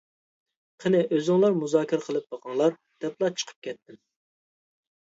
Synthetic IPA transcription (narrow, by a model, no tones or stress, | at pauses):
qʰənɪʔøzɪŋlˠɑɾmuzɑːkʲɪɾəqʰəlˠɨp̚b̪ɑqʰɑŋlˠɑɾ | d̪̥ɛplˠɑt͡ʃʰə̥qʰə̥p̚kʲʰɛt̪ːɪm